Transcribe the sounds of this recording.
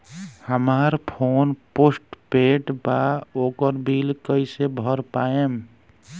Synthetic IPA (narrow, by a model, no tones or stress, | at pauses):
həmaɾpʰonposʈpeʈbaokəɾbʱilkəjsebʱəɾpaem